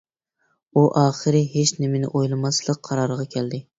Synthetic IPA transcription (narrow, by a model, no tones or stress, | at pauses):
uʔɑːχɨɾɪɦet͡ʃnɪmɪnɪ̰ʔojlˠɨmɑslˠɨk̚ʲqʰɑɾɑɾʁɑkʲʰɛld̪ɪ